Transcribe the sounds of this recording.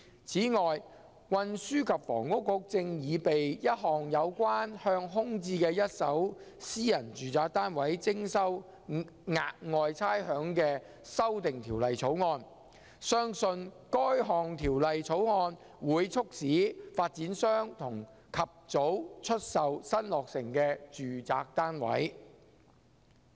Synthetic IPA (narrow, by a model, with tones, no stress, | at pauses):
t͡sʰiː˨˥ŋɔː˨j | wɐ˧nsyː˥kʰɐ˨p̚fɔ̰ː˨˩ŋkʊ˥kːʊ˨˥k̚t͡sɪ˧ŋjiː˨˧pe˨jjɐ˥t̚ɦɔː˨ŋjɐ˨˧wkʷaː˥nhœː˧ŋɦʊ˥ŋt͡siː˧kɛː˧jɐ˥t̚sɐ˨˥wsiː˥jɐ˨˩nt͡ʃyː˨t͡saː˨˥k̚t̪aː˥nwɐ˨˥jt͡sɪ˥ŋsɐ˥w | ŋa̰ː˧k̚ŋɔː˨˧jt͡sʰaː˥jhœː˨˥ŋkɛː˧ | sɐ˥wt̪ɪ˨ŋt̪ʰiː˨˩wlɐ˨jt͡sʰo˨˥wŋɔː˧n | sœː˥ŋsɵ˧n | kɔː˥jɦɔː˨˩ŋt̪ʰiː˨˩wlɐ˨jt͡sʰo˨˥wŋɔː˧n | wuː˨˧˥jt͡sʰʊ˥k̚siː˨˥faː˧t̚t͡siː˨˥nsœː˥ŋt̪ʰʊ˨˩ŋ | kʰɐ˨p̚t͡so˨˥wt͡ʃʰɵ˥t̚sɐ˨wsɐ˥nlɔː˨k̚sɪ˨˩ŋkɛː˧t͡ʃyː˨t͡saː˧k̚t̪aː˥nwɐ̰˨˥j